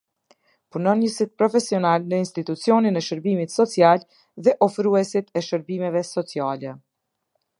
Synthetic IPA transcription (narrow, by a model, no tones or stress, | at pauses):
punɔnjəsit̪̚pɾɔfɛsiɔnalnəinst̪it̪ut͡siɔninɛʃəɾbimit̪sɔt͡sial | ðɛʔɔfɾuɛsit̪ʰɛʃəɾbimɛvɛsɔt͡sialɛ